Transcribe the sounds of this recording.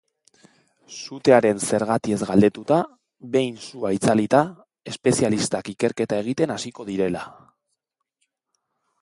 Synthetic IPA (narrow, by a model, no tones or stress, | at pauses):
sut̪e̞aɾe̞nse̞ɾɣ̞at̪ie̞zɣald̪e̞t̪ut̪a | βe̞jnsuait͡salit̪a | e̞spe̞sialist̪akike̞ɾke̞t̪ae̞ɣ̞it̪e̞nasiko̞ð̞iɾe̞la